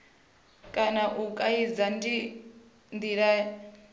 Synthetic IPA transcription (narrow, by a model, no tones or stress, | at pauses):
kʼanaʔukʼaid͡zani | ndiɺa